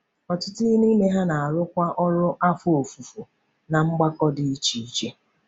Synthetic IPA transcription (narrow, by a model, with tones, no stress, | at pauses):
ɔ˨tʊ˦tʊ˦i˦ni˦me˦ɦa˦na˨a˨ɾʊ˦kʷa˦ʔɔ˦ɾʊ˦ʔa˦fʊ˦o˨fu˨fu˨ | na˨ŋ͡m̩˦ɡ͡ba˦kɔ˦dɪ˨i˦t͡ʃi˨i˦t͡ʃe˦